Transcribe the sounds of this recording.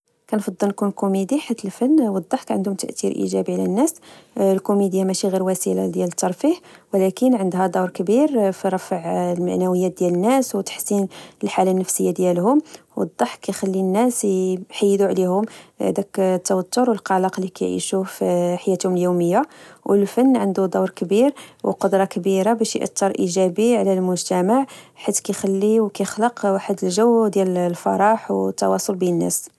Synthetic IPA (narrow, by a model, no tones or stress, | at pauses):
kænfɑd̪ˤːəlnkunlkumid̪iħat̪ːəlfənːwəd̪ˤːɑħkæʕənd̪hʊmt̪ə̰ʔt̪iɾʔḭʒæbiʕlænːæslkumid̪jamæʃiɣiɾwæsəla̰d̪jælət̪ːɑɾˤfiħwəlækənʕənd̪ɦæd̪ɑwɾˤkəbiɾfiɾˤɑfʕlmaʕnæwəjːæt̪̚d̪jælənːæswt̪ḁħsinəlħalænːəfsəjːad̪jælhʊmwə̰d̪ˤːɑħkːæjxælːinːæsħajːd̪uʕlihʊm̰d̪ækt̪ːæwət̪ːʊɾwəlqɑlɑqlːikæjʕḭʃufħajːæt̪hʊməljuməjːawʔəlfənːʕənd̪ud̪ˤɑwɾˤkəbiɾwəqod̪ɾˤɑkəbiɾabæʃj̰ʔə̰t̪ːɑɾˤʔiʒæbiʕlælmʊʒt̪æmaʕħit̪kæjxælːiwkæjəxləqwaħəd̪əlʒəwd̪jællfɑ̰ɾˤɑħwt̪ːɑ̰wɑsˤolbinənːæ̰s